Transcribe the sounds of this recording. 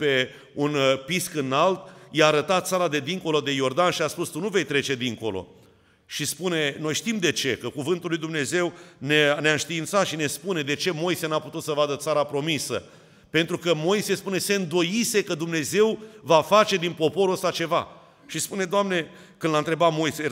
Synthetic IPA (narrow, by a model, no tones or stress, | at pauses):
pe̞ | unpiskɨnalt̪̚jaːɾət̪at̪̚t̪saɾad̪e̞d̪iŋko̞lo̞d̪e̞jo̞rd̪anʃiaspust̪unuve̞jt̪ɾe̞t͡ʃe̞d̪iŋko̞lo̞̰ | ʃispune̞no̞jʃt̪imd̪e̞t͡ʃe̞kəkuvɨnt̪ulːujd̪umne̞ze̞wneneaɨnʃt̪iːnt̪sat̪ʃine̞spune̞d̪e̞t͡ʃe̞mo̞jse̞naput̪ut̪səvad̪ət̪saɾapɾo̞misə̰ | pe̞nt̪ɾukəmo̞jse̞spune̞se̞ɨnd̪o̞jise̞kəd̪umne̞ze̞wvafat͡ʃe̞d̪inpo̞po̞ɾuəst̪at͡ʃe̞va̰ | ʃispune̞d̪oamne̞ | kɨnlant̪ɾe̞bat̪mo̞jse